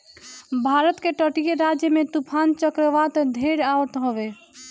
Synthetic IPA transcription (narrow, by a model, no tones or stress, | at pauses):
bʱaɾət̪keʈəʈijeɾad͡ʒjəmet̪upʰant͡ʃəkɾəʋat̪d̪ʱeɾaʋət̪ɦoʋe